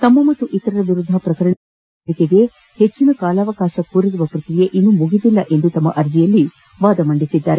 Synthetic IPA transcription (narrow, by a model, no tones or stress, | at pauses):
t̪ɐmːɐmɐt̪ːuʔit̪ɐɾɐɾɐʋiɾud̪ʱːɐpɾɐkɐɾɐɳ | ikeɡe̞ | het͡ʃːinɐkaːlaːʋɐkaːʃɐkuːɾiɾuʋɐpɾik̪ɾijeʔinːumuɡid̪ilːɐʔe̞nd̪ut̪ɐmːɐ̰ʔɐɾd͡ʒijɐlːi | ʋaːd̪ɐmɐɳɖisid̪ːaːɾe